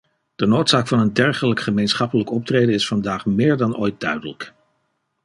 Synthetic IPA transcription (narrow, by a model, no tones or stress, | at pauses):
d̥ənowtsaːkfɑnəndɛɹχələkχəmejnsχɑpələkɔp̚treːdənɪsfɑndaːχmɪːɹdɑnʔo̰ːjt̚dœɥdələk